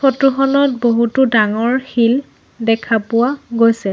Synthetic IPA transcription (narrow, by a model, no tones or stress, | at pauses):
otuxɔnɔt̚boɦutʊdaŋɔɹxil | dɛkʰapʊwaɡojsɛ